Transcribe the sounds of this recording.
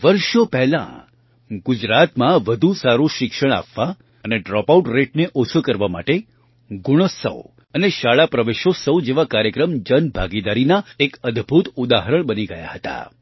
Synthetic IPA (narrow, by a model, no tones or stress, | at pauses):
ʋəɾʃopɛɦlã̰ | ɡud͡ʒɾat̪mãʋəd̪ʱusaɾũʃɪkʃəɽ̃a̰pːa | əneɖɾɔpauʈɾeʈneʔot͡ʃʰukəɾʋama̰ʈe | ɡuɽ̃osə̰w | əneʃaɭapɾəʋeʃosəʋd͡ʒeʋakaɾjəkɾəmd͡ʒənbʱaɡid̪aɾinaekəd̪ʱbʱut̪ud̪aɦəɾəɳ̃bəniɡəja̰ɦət̪a̰